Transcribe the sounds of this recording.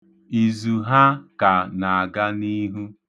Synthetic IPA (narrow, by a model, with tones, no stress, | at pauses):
i˨zu˨ɦa˦ka˨na˨a˨ɡa˦ni˦ɦu˦